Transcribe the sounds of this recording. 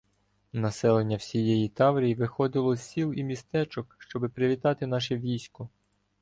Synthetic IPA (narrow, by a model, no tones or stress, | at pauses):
nɐsɛlˠenʲːɐwsʲijɛjit̪ɑwɾʲijiʋɪxɔd̪ɪlˠɔsʲsʲilˠimʲist̪ɛt͡ʃɔkʃt͡ʃɔbɪpɾɪʋʲit̪ɑt̪ɪn̪ɑʃɛʋʲijsʲkʊ